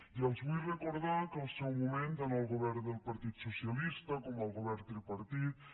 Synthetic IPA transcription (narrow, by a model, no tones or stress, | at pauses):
iəlˠzβujrəkuɾðakəlˠsɛwmumẽnt̪anəlˠɣuβɛɾnd̪əlˠpaɾt̪it̪susialist̪əkɔməlˠɣoβɛɾnt̪ɾipaɾt̪it̪̚